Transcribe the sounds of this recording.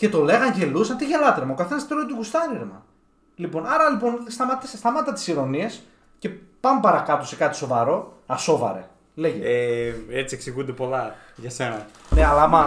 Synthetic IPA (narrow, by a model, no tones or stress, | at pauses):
ce̞t̪o̞le̞ɣɐnʝe̞lusɐnt̪iʝelɐt̪eɾmɐokɐθe̞nɐst̪ɾoet̪uɡust̪ɐɾiɾmɐ | lipo̞nɐɾɐlipo̞nst̪ɐmɐt̪isest̪ɐmɐt̪ːɐt̪i̥siɾo̞nie̞s | ce̞pɐmbɐɾɐkɐt̪osekɐt̪i̥so̞vɐɾo̞ɐso̞vɐ̰ɾe̞̰ | le̞ʝeeet͡sieksiɣund̪e̞po̞lɐ | ʝɐse̞nɐ | neɐlɐmɐ